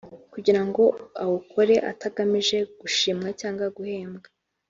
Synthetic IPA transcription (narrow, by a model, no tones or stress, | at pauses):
kuɟiɾaŋɡo̞awokʰo̞ɾe̞ʔa̰taɡamiʒe̞ɡ̥uʃiːmŋacaːŋɡwaɡuhe̞ːmbɡa